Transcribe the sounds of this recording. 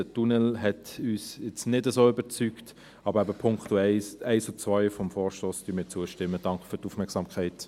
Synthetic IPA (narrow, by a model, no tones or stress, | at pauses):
ətunɛlɦɛtyːsɪt͡snɪdəsoːʏbəɾt͡syːkt | ɑb̥əɾæbəpʰʊŋktuɛɪsɛɪsut͡sʋaɪfɔmfɔːɾʃtoːsd̥yːnmɪːt͡suəʃtɪmːəd̥ɑŋkfyɾtufmɛɐksɑmkʰχæɪt